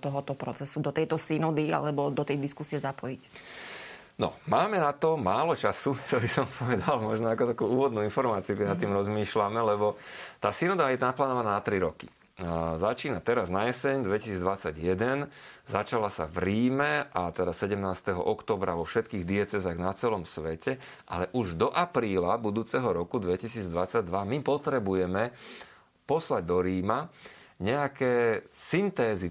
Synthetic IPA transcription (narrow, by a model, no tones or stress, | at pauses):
t̪ɔɦɔt̪ɔpɾɔt͡sɛsud̪ɔt̪ɛjt̪ɔsinɔd̪ia̰lɛbɔd̪ɔt̪ɛjd̪iskusiɛzapɔjic | nɔ̰maːmɛnat̪ɔmaːlɔt͡ʃasut̪ɔbisɔmpʰɔʋɛd̪almɔʒnɔakɔt̪akuːuːʋɔd̪nuinfɔɾmaːt͡siukɛnat̪ːiːmɾɔzmiːʃlamɛlɛbɔt̪aːsinɔd̪ajɛnaplaːnɔʋanaːnat̪ɾiɾɔkḭ | zat͡ʃiːnat̪ɛɾaznajɛsɛɲd̪ʋɛci̥siːd͡zd̪ʋat͡sːaɟjɛd̪ɛnzat͡ʃalasa̰vɾiːmɛʔat̪ɛd̪asɛɟɛmnaːst̪ɛɦɔ̰ʔɔkt̪ɔːbɾaʋɔfʃɛt̪kiːɣd̪iɛt͡sɛzaɣnat͡sɛlɔmsʋɛcɛ | ʔa̰lɛʔuʒd̪ɔʔapɾiːlabud̪uːt͡sɛɦɔɾɔkud̪ʋɛcisiːd͡zd̪ʋat͡saɟ̚d̪ʋamipɔt̪ɾɛbujɛmɛ | pɔslaɟ̚d̪ɔɾiːmaɲɛakɛːsint̪ɛːzi